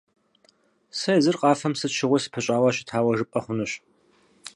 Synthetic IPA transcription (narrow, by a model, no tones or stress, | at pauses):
sɐjzɨrqʼɑːfɐmsɨtʃɪʁʷʊsɨ̥pʰɐɕʼaːwɐɕɪ̥tʰaːwɐʒɨpʼɐχʷʊnɨɕ